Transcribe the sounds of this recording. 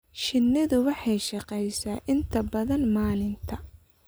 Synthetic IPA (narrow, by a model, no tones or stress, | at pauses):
ʃɪnːɪðʊwɑħɑjʃɑqɛjsaːʔɪnt̪ʰɐbɐðɐnmaːlɪnt̪ʰɐ